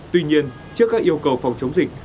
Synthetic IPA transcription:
t̪wi˧ɲi˧ən | t͡ɕɨ˦˥əkːaː˦˥kʔi˧əwkə˨˩wfa˨˩wŋ͡mt͡ɕə˨˦wŋ͡mzï˨˩k̟̚

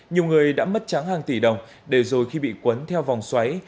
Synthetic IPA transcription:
ɲi˨˩əwŋɨ˨˩əjɗa̰ː˧˥mə˦˥t̚t͡ɕa˨˦ŋhaː˨˩ŋt̪i˧˩ɗə˨˩wŋ͡m | ɗe˧˩zo˨˩jxi˧ɓḭ˧˨kwə˨˦nt̪ʰɛ˧wva˨˩wŋ͡mswa˨˦j

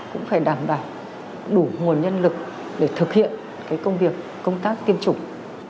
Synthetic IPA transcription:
kʊ̰˧˥ŋ͡mfaː˧˩jɗaː˧˩mɓaː˧˩w | ɗu˧˩ŋu˨˩ənɲə˧nlɨ˨˩k̚ | ɗe˧˩t̪ʰɨ˨˩k̚hḭ˧˨ən | kaː˨˦jkə˧wŋ͡mvi˨˩əkːə˧wŋ͡mt̪aː˦˥k̚t̪i˧ənt͡ɕʊ˨˧˩ŋ͡m̚

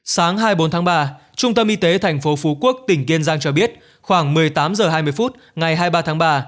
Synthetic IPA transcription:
saː˨˦ŋɦaː˧jɓo˨˦nt̪ʰaː˨˦ŋɓaː˧ | t͡ɕʊ˧ŋ͡mt̪ə˧mʔi˧t̪e˨˦t̪ʰɛ˨˩jŋ̟fo˨˦fu˨˦ku˦˥ək̚t̪ï˧˩ŋ̟ki˧ənzaː˧ŋt͡ɕɔ˧ɓi˦˥ət̚ | xwaː˧˩ŋmɨ˨˩əjt̪aː˨˦mzəː˨˩ɦaː˧jmɨ˧əjfu˦˥t̚ | ŋa˨˩jɦaː˧jɓaː˧t̪ʰaː˨˦ŋɓaː˧

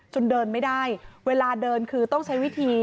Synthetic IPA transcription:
t͡ɕo˧ndɤː˧nma˥˩jdaː˥˩jweː˧laː˧dɤː˧nkʰɯː˧t̪ɔ˥˩ŋt͡ɕʰa˦˥jwi˦˥t̪ʰiː˧

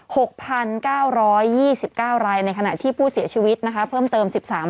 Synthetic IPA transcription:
ho˨˩k̚pʰa˧nkaː˥˩wɾɔː˦˥jːiː˥˩si˨˩p̚kaː˥˩wɾaː˧jna˧jkʰa˧na̰˨˩t̪ʰiː˥˩pʰuː˥˩si˩˦ɐt͡ɕʰiː˧wi˦˥t̪̚na˦˥kʰa˦˥pʰɤː˥˩mt̪ɤː˧msi˨˩p̚saː˩˦m

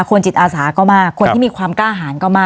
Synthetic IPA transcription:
kʰo˧nt͡ɕi˨˩t̪̚ʔaː˧saː˩˦kɔː˥˩maː˥˩kʰo˧nt̪ʰiː˥˩miː˧kʰwaː˧mkaː˥˩ɦaː˩˦nkɔː˥˩maː˥˩

